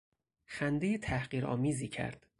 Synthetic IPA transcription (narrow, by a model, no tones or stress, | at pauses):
xænd̪ejet̪ʰæhɢiːɾɒ̰ːmiːziːcʰæ̰ɾd̪̥